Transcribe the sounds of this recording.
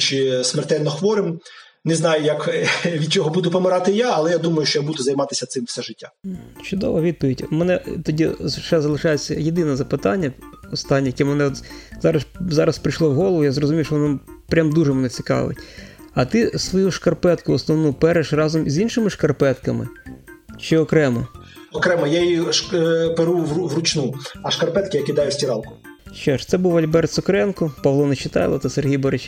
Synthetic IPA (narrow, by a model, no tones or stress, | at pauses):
t͡ʃɪsmɛrt̪ɛlʲnɔxʋɔɾɪm | nɪznɑjʊjɐkʋʲid̪̚t͡ʃɔɦɔbud̪ʊpɔmɪɾɑt̪ɪjaɐlˠɛjad̪umɐjʊʃt͡ʃɔjabud̪ʊzɐjmɑt̪ɪsʲɐt̪sɪmfsɛʒɪtʲːat͡ʃʊd̪ɔ̰ʋɔʋʲid̪̚pɔʋʲidʲmɛnɛt̪ɔdʲiʃɛzɐlˠɪʃɑjet͡sʲːɐjed̪ɪnɛzɐpɪt̪ɑnʲːɐɔst̪ɑnʲːijɐkʲɛmnɛɔt̪zɑɾɐszɑɾɐspɾɪjʃlˠɔwɦɔlˠʋʊjazrɔzʊmʲiʋʃt͡ʃɔʋɔnmpɾʲamd̪uʒɛmenɛt͡sʲi̥kɑ̰ʋ̰ɪ̰tʲɐt̪ɪsʋɔjuʃkɐrpɛt̪kʊɔsnɔʋnupɛɾeʃrɑzɔmizʲinʃɪmɪʃkɐrpɛt̪kɐmɪ̰ | t͡ʃɪɔkɾɛmɔɔkɾɛmɐjajiʃpeɾuʋuʋrʊt͡ʃnuɐʃkɐrpɛt̪kɪjɐkʲid̪ɑjʊsʲtʲiɾɑlˠkʊ̥ | ʃt͡ʃɔʃt̪sɛbuwɐlʲbɛrt̪sʊkɾɛnkɔpɐʋlˠɔnet͡ʃɪt̪ɑ̰jlˠɐt̪ɑserɦʲijbɐɾɪt͡ʃ